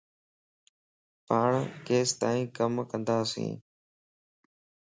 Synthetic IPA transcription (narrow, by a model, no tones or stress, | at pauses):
paːɳkeːst̪aːĩːkəmkə̃nd̪aːsḭ̃ː